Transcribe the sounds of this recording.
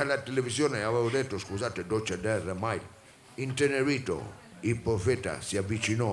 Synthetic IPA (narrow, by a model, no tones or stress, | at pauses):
alat̪eleβisjoneaβeoðet̪oskusat̪ed̪ot͡ʃad̪ɛremajl | int̪eneɾit̪o̰ | ipɾofet̪a̰siaβit͡ʃino